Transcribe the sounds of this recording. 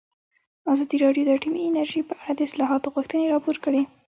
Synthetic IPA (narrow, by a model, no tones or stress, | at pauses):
azɑd̪iɾɑɖjod̪əʈimiɪnaɾʒipəʔaɽad̪əɪslɑɦɑt̪oɣuxt̪əneɾɑpoɾkəɽe